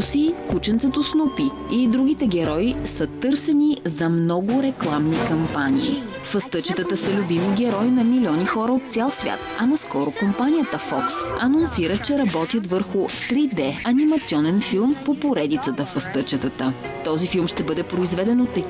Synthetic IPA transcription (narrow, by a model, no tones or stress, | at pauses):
sikut͡ʃɛnt̪sɛt̪osnupi | id̪ɾuɡ̟it̪ɛɡʲɛɾɔisət̪ɤɾsɛnizɐmnɔɡʊɾɛklˠamnikɐmpaniː | fɐst̪ət͡ʃɛt̪ət̪əsɐlʲʊbimiɡʲɛɾɔinɐmilʲiɔnixɔɾɐot̪̚t̪sʲalˠsvʲja̰t̪ɐnɐskɔɾʊkompanijət̪əfɔksɐnonsiɾət͡ʃɛɾɐbɔt̪jət̪vɤɾxʊt̪ɾid̪ɛɐnimɐt̪siɔnɛnfilˠmpopoɾɛd̪it̪sət̪əfɐst̪ɤt͡ʃət̪ət̪ət̪ɔzifilˠmʃt̪ɛbɤd̪ɛpɾoizvɛd̪ɛnot̪ːɐ